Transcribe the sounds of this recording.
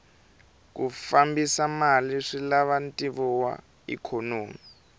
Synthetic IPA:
k̬ufambisamaliʂilaβantʼiβɔwa̰ | ḭkʰɔnoːmi

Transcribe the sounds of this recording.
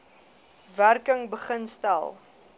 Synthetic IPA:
værkəŋbəχənstæ̰lˠ

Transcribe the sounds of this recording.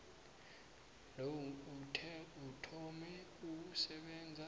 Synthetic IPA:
lowutʰɛutʰɔmɛuk̬usɛɓɛnd͡zʱa

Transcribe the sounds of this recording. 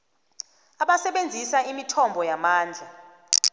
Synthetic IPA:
aɓasɛɓend͡zʱisaimitʰɔmbʱɔjamaːnd͡ɮʱa

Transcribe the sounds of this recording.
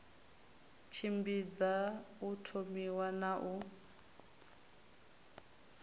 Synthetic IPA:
t͡ʃʰimbid͡zautʰomiwanaʔu

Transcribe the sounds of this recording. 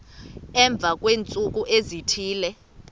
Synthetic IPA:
ɛɱb̪vʱak̬ʼweːnt͡sʼuk̬ʼuʔezitʰiːlɛ

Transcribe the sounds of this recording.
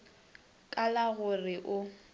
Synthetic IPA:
kʼalaɣʊrɪʔʊ

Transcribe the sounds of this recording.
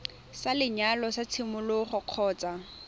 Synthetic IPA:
salɪɲalɔsat͡sʰɪmʊlʊχʊq͡χʰɔːt͡sʼa

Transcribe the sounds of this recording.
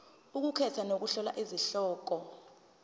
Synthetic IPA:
uk̬ukʰɛtʰanok̬uɬɔla̰ʔiziɬɔːk̬ɔ

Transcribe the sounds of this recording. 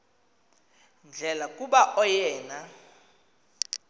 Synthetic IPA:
nd͡ɮʱɛlakʼuɓaʔɔjɛːna

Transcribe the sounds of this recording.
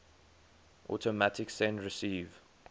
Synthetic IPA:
ʔɔ̰tʰəmatɪksɛ̃ndɹɪsiːv

